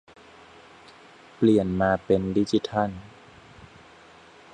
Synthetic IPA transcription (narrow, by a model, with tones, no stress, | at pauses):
pli˨˩ənmaː˧pe˧ndi˦˥t͡ɕi˧˦˩t̪ʰa˥˩n